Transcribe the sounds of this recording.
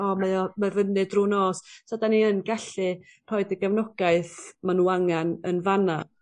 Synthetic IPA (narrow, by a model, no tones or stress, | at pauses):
ɔmamavənɨdrunɔːssadaniənɡaɬɨ | r̥ɔɨdəɡavnɔɡ̥aɨθmanuaŋanənvana